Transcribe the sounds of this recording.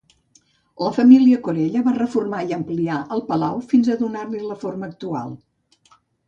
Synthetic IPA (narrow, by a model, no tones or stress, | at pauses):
ləfəmiliəkuɾɛʎəβarəfurmaiəmpliaʔəlˠpəlawfinzəðunarliləforməːk̚t̪ua̰lˠ